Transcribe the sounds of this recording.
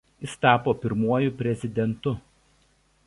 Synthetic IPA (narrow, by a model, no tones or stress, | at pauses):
jɪst̪ɑːpoːpʲɪɾmuɔjʊpʲɾʲɛzʲɪd̪ʲɛnt̪ʊ